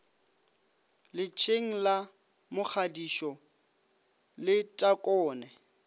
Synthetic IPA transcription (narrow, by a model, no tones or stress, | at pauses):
lɪt͡ʃʰeŋ̩la | mʊk͡xʰadiʃɔ | lɪtʼakʼɔːnɛ